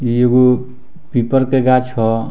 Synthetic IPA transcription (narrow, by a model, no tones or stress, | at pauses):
ieɡo | pipəɾkeɡat͡ʃʰɦɔ